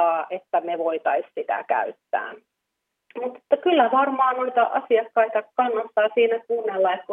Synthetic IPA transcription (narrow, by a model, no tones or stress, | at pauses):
ɑːʔet̪ːæmeʋoit̪ɑissit̪æ̰kæ̰yt̪ːæ̰ː | mut̪ːe̥t̪ːɑkylːæʋɑrmɑːnoit̪ɑʔɑsiɑkːɑit̪ɑkɑnːɑsːɑːsiːnækuːnːelːɑek̪ku